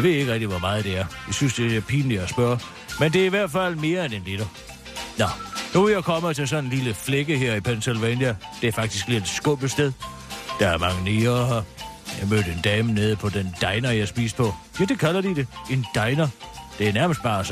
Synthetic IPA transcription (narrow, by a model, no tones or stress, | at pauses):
ʋe̝ðˠe̝ɡ̥ʁɛɡ̥̚d̥iʋɒmɑ̈ːð̩ˠd̥e̝æɐjɑ̈ɪsynsd̥e̝̥æɐpʰiːnjɑ̈sb̥ɶɐ | mend̥e̝ɐiʋæɐ̰d̥fæl̰me̝ːɐenenliɾ̥ɐ | nɒnuʋejɑɪkʰɒ̽mət͡sʰe̝lsɒ̽nenliləfleɡ̥əɦeɐ̰ipʰænselʋɛnjæd̥e̝æɐfɑ̈ɡ̥̚d̥isɡ̥liːe̝d̥sɡ̥ɔ̽b̥ð̩ˠsd̥eðˠ | d̥ɑ̈æɐmɑ̈ŋəniːɐ | jɑ̈ɪmø̰ːd̥əend̥ɛːməneð̞ˠpʰɒ̽dend̥ɑ̈ɪnɐjɑ̈ɪsb̥ḭːspʰɒ̽ʋed̥ekʰælɐd̥id̥e̝end̥ɑ̈ɪnɐd̥e̝æɐnæɐməsd̥b̥ɑ̰̈ːs